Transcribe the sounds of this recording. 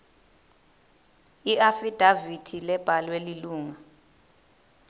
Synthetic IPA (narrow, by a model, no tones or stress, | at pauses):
iafid̥ʱavitʰilɛb̥ʱalweliluːŋa